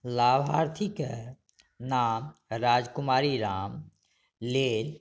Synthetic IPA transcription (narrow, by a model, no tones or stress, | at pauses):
laːbʱɦaːɾt̪ʰɪke | naːmɾaːd͡ʒkʊmaːɾiɾaːm | leːl